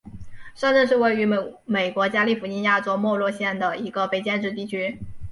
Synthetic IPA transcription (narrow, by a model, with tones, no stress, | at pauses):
ʂə˥˧nʈ͡ʂə˥˧nʂɻ̩˥˧we˥˩ɪy˧˥me˨˩ɪkwɔ˧˥t͡ɕja˥li˥˩fu˧˥t͡ɕi˥nja˥˩ʈ͡ʂɔ˥ʊmwɔ˥˧lwɔ˥˧ɕjɛ˥˩nd̪ə˩i˧˥ɡə˧fe˧˥ɪt͡ɕjɛ˥˧nʈ͡ʂɻ̩˥˧t̪i˥˩t͡ɕʰy˥